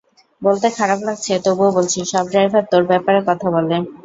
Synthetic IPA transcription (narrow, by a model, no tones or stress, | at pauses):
bolt̪ekʰaɾablaɡ̚t͡ɕʰet̪obuobolt͡ɕʰiʃɔbd͡ʑajbʱab̚t̪oɾbɛpaɾekɔt̪ʰabole